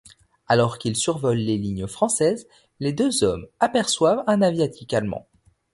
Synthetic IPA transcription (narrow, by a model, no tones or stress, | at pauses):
alɔʁkilsyʁvɔlːeliɲəfχɑ̃sɛz | led̪øzɔmapɛʁswavɛ̃navjat̪ʰikalmɑ̰̃